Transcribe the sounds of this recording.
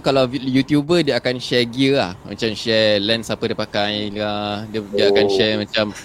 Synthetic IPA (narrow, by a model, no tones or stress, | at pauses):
kalawjut̪jubədiəakanʃɛɡiəla̰hma̰t͡ʃamʃɛlɛnsapədipakajladədiəakanʃɛmãt͡ʃam